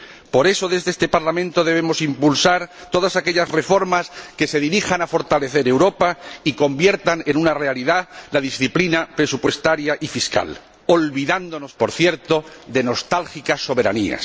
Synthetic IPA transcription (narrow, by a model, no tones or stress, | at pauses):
po̞ɾe̞so̞ðezðest̪e̞paɾlamẽnt̪o̞ðeβemo̞simpulsaɾt̪o̞ðasake̞ʎasre̞fo̞ɾmaske̞se̞ðiɾixanafo̞ɾt̪ale̞θe̞ɾe̞wɾo̞paiko̞mbje̞ɾt̪ane̞nunare̞aliðalaðisθiplinapɾe̞supwe̞st̪aɾjaʔifiska̰l | o̞lβiðand̪o̞no̞spo̞ɾθje̞ɾt̪o̞ðe̞no̞st̪alxikasːo̞β̞e̞ɾa̰nḭa̰s